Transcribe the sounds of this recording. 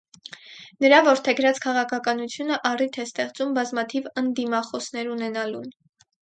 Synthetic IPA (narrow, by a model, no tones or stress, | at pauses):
nəɾɑvɔɾt̪ʰɛɡɾɑt͡skʰɑʁɑkʰɑkɑnut͡sʰjunəʔɑrit̪ʰɛst̪ɛχt͡sumbɑzmɑt̪ʰivənd̪imɑχɔsnɛɾunɛnɑlun